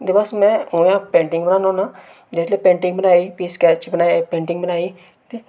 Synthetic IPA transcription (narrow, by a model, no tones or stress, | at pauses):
d̪eːbasmɛ̃ːɦoːjãːpẽːɳʈɪŋɡbənaːnãːnaː | d͡ʒɪsleːpẽːɳʈɪ̃ŋɡbənaːiːpiːskɛːt͡ʃbənaːepẽːɳʈɪŋɡbənaːiː | t̪eː